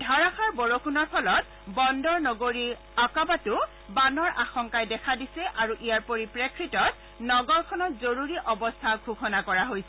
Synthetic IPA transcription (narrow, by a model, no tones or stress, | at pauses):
dʱaɹaxaɹbɔɹokʰunɔɹpʰɔlɔt̚ | bɔndɔɹnɔɡoɹi | akɔbatʊ | banɔɹʔaxɔŋkajdɛkʰadisɛʔaɹuʔijaɹpoɹipɹekʰɹitɔt̚ | nɔɡɔɹkʰɔnɔtzoɹuɹiʔɔbɔstʰaɡʱuxʰɔnakɔɹaɦojsɛ